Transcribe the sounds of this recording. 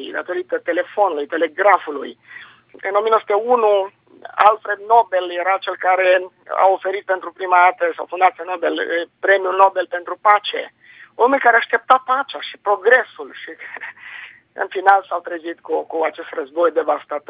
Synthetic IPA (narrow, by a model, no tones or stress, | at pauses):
d̪at̪o̞ɾit̪ət̪e̞le̞fo̞nulujt̪e̞le̞ɡɾafulṵj | ɨ̰nomiənosut̪eunu | a̰lfɾe̞d̪̚no̞beljeɾat͡ʃe̞lkaɾe̞ | a̰ofe̞ɾit̪̚pe̞nt̪ɾupɾimad̪at̪əsawfund̪at̪sʲjenobelpɾe̞miuno̞belpe̞nt̪ɾupat͡ʃḛ | omulʲkaɾeaʃt̪e̞p̚t̪apat͡ʃaʃi̥pɾo̞ɡɾe̞sulʃi | ɨ̰nfinalsawt̪ɾezit̪kukuat͡ʃe̞st̪rəzbojd̪e̞vast̪at̪o